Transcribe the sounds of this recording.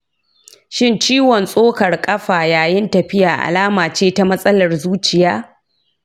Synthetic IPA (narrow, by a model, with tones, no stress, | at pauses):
ʃɪ˦nt͡ʃiː˦wɔ˨nsʼoː˦kɐ˨rkʼɐ˦ɸaː˨jaː˨jɪ˦ntɐ˨ɸɪ˦jaː˨ʔa̰˨laː˦maː˨t͡ʃeː˦ta˦mɐ˦sʼɐ˦lɐ˨rzuː˦t͡ʃɪ˨jaː˦